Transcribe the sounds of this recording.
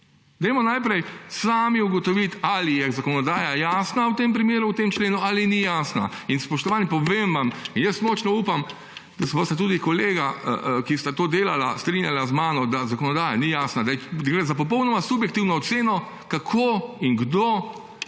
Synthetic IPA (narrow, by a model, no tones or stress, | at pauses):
d̪ɛjmɔnajpɾɛjsaːmiuɡɔt̪ɔʋit̪alijɛzakɔnɔd̪aːjajaːsnawt̪empɾimeːɾuwt̪eːmt͡ʃleːnualinijaːsnainspɔʃt̪ɔʋaːnjɛpɔʋemʋaminjəst̪mɔːt͡ʃnɔuːpam | d̪̥asɛbost̪at̪uːd̪ikɔleːɡaə̰kist̪at̪oːd̪eːlala̰st̪ɾinjalazmaːnɔd̪azakɔnɔd̪aːjanijaːsnad̪ajɛɡɾeːzap̬ɔp̬ɔwnɔmasubjɛk̚t̪iwnɔːt̪seːnɔ | kakʰoːiŋɡd̪o